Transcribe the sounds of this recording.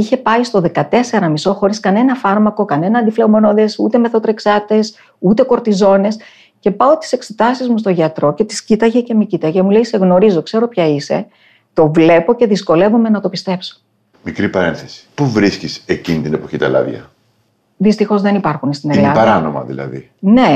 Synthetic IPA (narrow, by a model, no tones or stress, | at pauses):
içe̞pɐist̪o̞ðekɐt̪e̞se̞ɾɐmiso̞xo̞ɾiskɐne̞nɐfɐɾmɐko̞kɐne̞nɐːnd̪ifleomo̞noðe̞sṵt̪e̞me̞θo̞t̪ɾe̞ksɐt̪e̞s | ut̪e̞ko̞ɾt̪izo̞ne̞s | ce̞pɐot̪i̥se̞kse̞t̪ɐsizmus̬t̪o̞ʝɐt̪ɾo̞ce̞t̪i̥scit̪ɐʝece̞micit̪ɐʝemulejse̞ɣno̞ɾizo̞kse̞ɾo̞pçɐise̞̰ | t̪ovle̞po̞ce̞ðisko̞le̞vome̞nɐt̪o̞pist̪e̞pso̥ | mikɾipɐɾenθesi̥puvɾiscisecinit̪inepo̞çit̪ɐ̰lɐ̰ðʝɐ̰ | ðist̪ixo̞zðe̞nipɐɾxunst̪inelɐɐɾɐno̰mɐ̰ðḭlɐ̰ðḭ | ne̞